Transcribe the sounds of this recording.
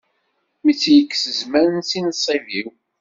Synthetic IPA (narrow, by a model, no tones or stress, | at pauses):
mit͡sːjəkːsəzmæɾənsinəsˤiviw